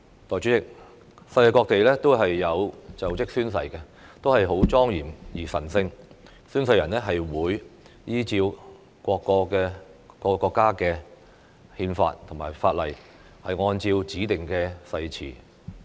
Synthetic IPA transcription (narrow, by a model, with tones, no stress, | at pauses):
t̪ɔː˨jt͡ʃyː˨˥t͡sɪ˥k̚ | sɐ˧jka˨˧kɔː˧k̚t̪e˨jlɛː˥t̪o˥wɦɐ˨jːɐ˨˧wt͡sɐ˨wt͡sɪ˥k̚syː˥nsɐ˧jkɛ˧ | t̪o˥wɦɐ˨jɦo˨˥wt͡sɔː˥ŋjiː˨˩mjiː˨˩sɐ˨˩nsɪ˧ŋ | syː˥nsɐ˧jːɐ˨˩nɛ˥ɦɐ˨jwuː˨˧j | jiː˥t͡siː˧w | kʷɔː˧kːɔː˧kɛː˧kɔ˧kːɔː˧kːaː˥kɛː˧ | hiː˧nfa̰ː˧t̚t̪ʰʊ˨˩ŋmaː˨˩jfaː˧t̚lɐ˨j | hɐ˨jŋɔː˧nt͡siː˧wt͡siː˨˥t̪ɪ˨ŋkɛː˧sɐ˧jt͡sʰḭː˨˩